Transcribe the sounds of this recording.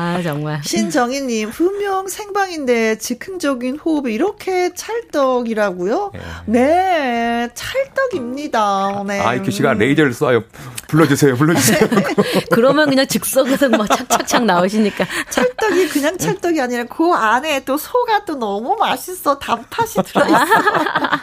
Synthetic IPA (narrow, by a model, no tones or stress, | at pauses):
at͡ɕʌŋmaɭɕʰind͡ʑʌŋiɲːimpumjʌŋsʰe̞ŋbaŋinde̞t͡ɕikʰɯŋd͡ʑʌɡinɸobiɾʌkʰe̞t͡ɕʰaɭt͈ʌɡiɾaɡujone̞ | t͡ɕʰaɭt͈ʌɡimɲidane̞a̰ieɕʰiɡaɾeideɾɭs͈ajo | puɭːʌd͡ʑisʰejopuɭːʌd͡ʑise | kɯɾʌmjʌnkɯɲaŋt͡ɕɯk̚s͈ʌɡɯsʰʌmakt͡ɕʰak̚ʰak̚t͡ɕʰaŋnaoɕʰimɲik͈at͡ɕʰaɭt͈ʌɡikɯɲaŋt͡ɕʰaɭt͈ʌɡiaɲiɾakoane̞t͈osʰoɡat͈onʌmumaɕʰisʰʌtampʰaɕʰidɯɾʌ